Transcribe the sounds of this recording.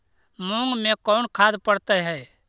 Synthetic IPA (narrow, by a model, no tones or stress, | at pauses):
mʊ̃ŋɡmẽkɔːnkʰaːd̪pəɽt̪ɛɦɛː